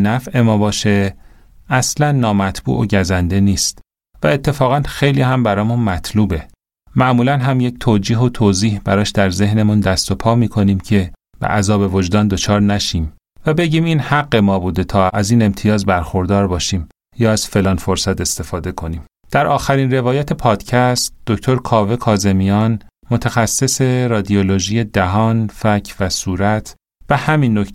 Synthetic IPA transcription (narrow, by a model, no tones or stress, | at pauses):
næfʔe̞mɒːbɒːʃe̞ | æslænːɒːmæt̪ʰb̥ṵːʔo̰ɟæzænd̪e̞niːst̪ | væet̪ʰːe̞fɒːɣænxe̞jliːhæmbæɾɒːmunmæt̪ʰluːbe̞ | mæʔmuːlænɦæmje̞ct̪ʰoːd͡ʒiːɦo̞t̪ʰoːziːhbæɾɒːʃd̪æɾze̞hne̞mund̪æst̪o̞pʰɒːmiːkʰo̞niːmcʰe̞ | b̥ḛʔæzɒːbe̞vod͡ʒd̪ɒːnd̪ot͡ʃʰɒːɾnæʃiːm | væbe̞ɟiːmiːnhæɡːe̞mɒːbuːd̪e̞t̪ʰɒːʔæziːne̞mt̪ʰijɒːzbæɾxo̞ɾd̪ɒːɾbɒːʃiːm | jɒːæz̥fe̞lɒːnfo̞ɾsæt̪ʰe̞st̪e̞fɒːd̪e̞kʰo̞niːm | d̪̥æɾʔɒːxæɾiːnre̞vɒːjɒːt̪ʰe̞pʰɒːd̪̥cʰæst̪̚d̪̥oct̪ʰo̞ɾkʰɒːve̞kʰɒːze̞mijɒnmot̪ʰæxæsːe̞se̞ɾɒːd̪ioloʒiːje̞d̪æɦɒːnfæcʰvæsuːɾæt̪ʰ | b̥ehæminːok